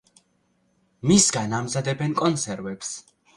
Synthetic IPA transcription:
misɡanamzad̪ɛbɛnkʼɔnt̪sʰɛɾvɛps

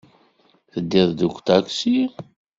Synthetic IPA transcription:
θəd̪ːiðˤd̪ukʷt̪ækʷsi

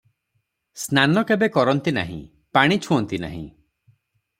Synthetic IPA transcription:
snanɔkebekɔɾɔnt̪ina̰ɦḭ̃ | paɽ̃it͡ʃʰuɔnt̪ina̰ɦḭ̃

